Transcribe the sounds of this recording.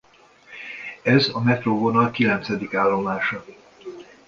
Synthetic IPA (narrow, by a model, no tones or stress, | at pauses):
ɛzɒmɛt̪rovonɒlkilɛnt̪sɛd̪ikaːlːo̞maːʃɒ